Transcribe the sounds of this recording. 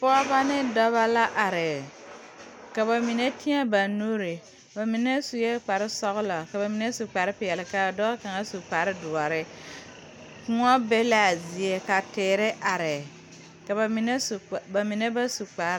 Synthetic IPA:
pʊ˦a˦ba˦nɪ˦dɔ˦βa˦la˦ʔa˨ɾɪ˨ | ka˨βa˨mi˨ne˦ti˦a˦ba˨nu˦ɾɪ˨ | ba˨mi˨ne˦su˨je˦k͡pa˨ɾɪ˦sɔ˦ɣʊ˦la˨ka˨ba˨mi˨ne˦su˨k͡pa˨ɾɪ˦pɪ˨jɛ˨lɪ˨ka˦˨dɔ˦a˦ka˨ŋa˦su˨k͡pa˨ɾɪ˦dʊ˨a˨ɾɪ˦ | kʊ˦ŋɔ˦be˦la˦a˨zi˨e˦ka˨tɪː˨ɾɪ˦ʔa˨ɾɪ˨ | ka˨βa˨mi˨ne˦sba˨mi˨ne˦ba˦su˨k͡pa˨ɾ

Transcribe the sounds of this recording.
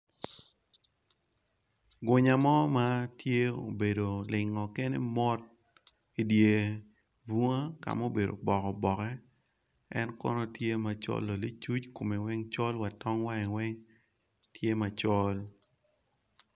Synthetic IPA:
ɡʊ˨ɲa˨mɔ˦ma˦tje˦o̰˨be˨do˨lɪ˨ŋːɔ˨ke˦nḛ˦mɔ˦t̚ | i˨dje˨ | bu˦ŋa˦ka̰˨mo˦be˨do̰˨bɔ˨kɔ˨bɔ˨kɛ˦ | ɛ˦nkɔ̰˦nɔ˦tje˦ma˨t͡ʃɔ̰˦lːo˨li˦t͡ʃu˦t͡ʃko˨me˨wɛ˦ŋt͡ʃɔ˦lwa˨tɔ˦ŋwa˦ɛ˨wɛ˦ŋ | tʰje˦ma˨t͡ʃɔ˦l

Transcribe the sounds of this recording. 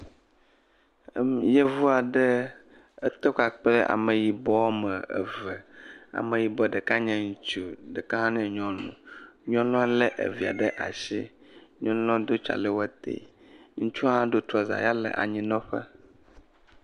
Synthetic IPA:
jɛ˦vu˦a˨ɖə˦ | ə˦t̪e˦ka˨k͡plɛ˦ʔa̰˨mə˨ji˨bɔ˦mə˨ɛ̰˨və˨a̰˨mẽ˨ji˨bɔ˦˨ɖə˨ka˦ɲɛ̃˦ŋu˦t͡ʃu˦ɖə˨kã˦ɦã˦nɛ̃˦˨ɲɔ̃˦nṵ̃˨ɲɔ̃˦lɔ̃˦ã˦lɛ˦ʔḛ˨vi˨a̰˨ɖə˦ʔa̰˨ʃi˦ɲɔ̃˦ñ˦lɔ̃˦d̪o˦t͡ʃa̰˨lɛ˦wɛ˦t̪ḛ˨ | ŋũ˦t͡ʃu˦ã˦ɖo˦t̪ɾɔ˨za̰˨ja˦lɛ̰˨ʔa̰˨ɲĩ˦nɔ̃˦ɸə̰˦

